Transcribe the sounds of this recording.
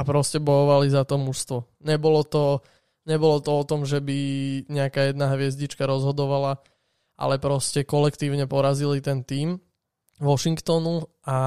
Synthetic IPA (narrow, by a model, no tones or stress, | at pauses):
apɾɔscɛbɔjɔʋalizat̪ɔmuʃst̪ʋɔ | ɲɛbɔlɔt̪ɔ | ɲɛbɔlɔt̪ɔɔt̪ɔmʒɛbiɲɛakajɛd̪naɦʋɪɛzɟit͡ʃkaɾɔzɦɔd̪ɔʋala | ʔa̰lɛpɾɔscɛkɔlɛkt̪iːʊɲɛpɔɾazilit̪ɛnt̪iːm | ʋɔʃiŋkt̪ɔnu | a